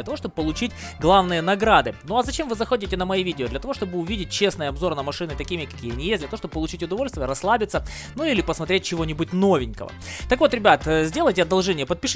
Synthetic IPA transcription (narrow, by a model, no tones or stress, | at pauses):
ɐt̪ɐvoʂt̪obəpːəlˠʊt͡ɕitʲ | ɡlˠavnɨjənɐɡɾad̪ɨnuɐzɐt͡ɕe̞mvɨzɐxo̞dʲɪtʲɪnəmɐivʲidʲɪod̪lʲɐt̪ɐvo̞ʂt̪o̞bɨʊvʲidʲɪt̚ʲt͡ɕe̞snɨjɐbzo̞rnəmɐʂɨnɨt̪ɐkʲimʲɪkɐ̥kʲijəɐnʲɪjesʲdʲlʲt̪ɐvoʂt̪obəpːəlˠʊt͡ɕitʲʊd̪ɐvo̞lʲst̪vʲɪjəɾɐslˠabʲɪt̪sə | nuilʲɪpəsmɐt̪ɾʲet̚ʲt͡ɕɪvo̞nʲɪbut̚ʲno̞vʲɪnʲkə̰və̰t̪ɐkvo̞t̪ɾʲɪbʲat̪ːzʲdʲe̞lˠəjtʲɪɐd̪ɐlˠʐɛnʲɪjəpət̪̚pʲɪʂ